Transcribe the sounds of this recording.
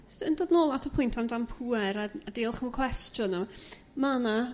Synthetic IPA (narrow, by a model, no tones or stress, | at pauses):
sdəndoːdnoːlˠatʰəpʰʊjntʰamdampʰuɛɾaadeːlˠχəmkʰw̥ɛstjɔna | mana